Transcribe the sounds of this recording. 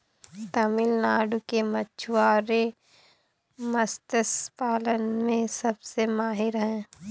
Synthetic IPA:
t̪ɐmɪlnaːɖukemɐtːt͡ʃʰuaːɾe | mɐst̪əspaːlənmẽsɐbsemaːɦɪɾɦɛ̃ː

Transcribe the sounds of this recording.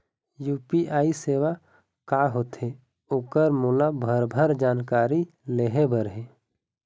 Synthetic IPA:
juːpiʔaːiseːʋa | kaːɦoːt̪e | ʊkəɾmuːlabʱəɾbʱəɾd͡ʒaːnkaːɾi | leɦebəɾɦeː

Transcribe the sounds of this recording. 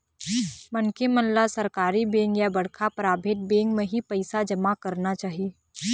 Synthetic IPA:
mɐnkemɐnlasɐɾkaːɾibẽːŋɡjabɐɽkʰapɾaːbʱeːt̪̚beːŋɡmẽɦipɐɪsad͡ʒɐmakɐɾnat͡ʃaːɦie

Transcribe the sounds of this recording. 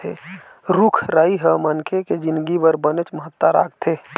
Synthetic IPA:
e | ɾukʰɾəiɦəmənkʰeked͡ʒɪnd̪ɡibəɾbənet͡ʃməɦət̪ːaɾa̰ːɡ̚t̪ʰe

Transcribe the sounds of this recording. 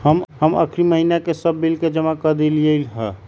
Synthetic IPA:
həmɦəmə̰kʰɾiməɦinakesəbːilked͡ʒəmakəd̪eliəlɦɛ

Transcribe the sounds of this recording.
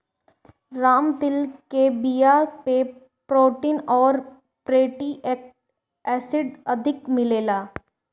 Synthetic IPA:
ɾaːmt̪ɪlkebijape | pɾoːʈiːnɔːɾ | pɾeːʈiʔeːk | ɛːsɪɖɐd̪ʱɪkmɪleːlaː

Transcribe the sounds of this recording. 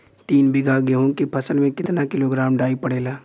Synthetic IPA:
t̪iːnbɪɡaɡeɦõkepʰɐsəlmẽkɪt̪nakɪloɡɾaːmɖaːipɐɽeːlaː

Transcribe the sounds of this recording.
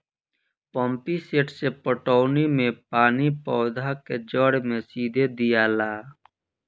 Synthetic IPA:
pɔ̃mpiseːʈsepəʈɔːnimẽpaːnipɔːd̪ʱaked͡ʒəɽmẽsiːd̪ʱed̪ijalaː

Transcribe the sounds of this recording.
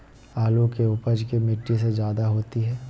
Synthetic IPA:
aːlõkeʊpəd͡ʒkemɪʈːisezjaːd̪aɦoːt̪iɦɛː

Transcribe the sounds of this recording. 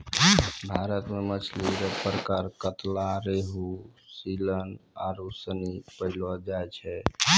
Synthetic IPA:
bʱaɾət̪memət͡ʃʰliɾəpɾəkaɾkət̪laɾeɦusiləna̰ɾusənipəɦlɔd͡ʒajt͡ʃʰɛ

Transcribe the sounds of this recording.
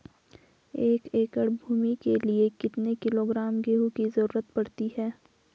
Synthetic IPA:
eːkeːkəɽbʱuːmikeliekɪt̪nekɪloːɡɾaːmɡeːɦukizɐɾuːɾət̪̚pɐɽt̪iɦɛː

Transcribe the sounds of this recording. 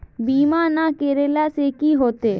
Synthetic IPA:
bimanakeɾelasekiɦot̪e

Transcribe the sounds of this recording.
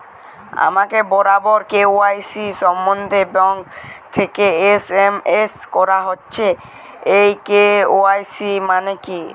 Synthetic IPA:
a̰makebɔɾabɔɾkeoajsiʃɔmːond̪ʱebɔŋkt̪ʰekeesemeskɔɾaɦotːɕʰe | ejkeoajsimaneki

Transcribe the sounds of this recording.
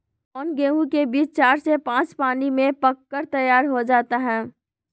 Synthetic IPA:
ɔːnɡeːũkebiːt͡ʃt͡ʃaːɾsepãːt͡ʃpaːnimẽpəkːəɾt̪əjaːɾɦod͡ʒaːt̪aɦɛ̃ː

